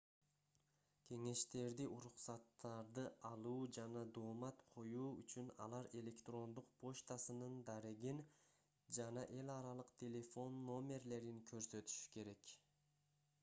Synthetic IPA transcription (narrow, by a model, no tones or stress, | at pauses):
kʲʰe̞ŋe̞ʃt̪e̞ɾd̪iʔuɾuqsɑt̪ːɑɾd̪ɯɑlˠuːd͡ʒɑnɑd̪oːmɑt̪qʰo̞juːy̰t͡ʃynɑ̰lˠɑɾe̞lʲe̞kt̪ro̞nd̪uq̚pʰo̞ʃt̪asɯnɯnd̪ɑɾeɡin | d͡ʒɑnɑʔe̞lɑɾɑlˠɯqt̪ʰʲe̞lʲe̞fo̞nːo̞mʲe̞rle̞ɾinkʰø̞ɾsø̞t̪y̥ʃy̥ke̞ɾe̞k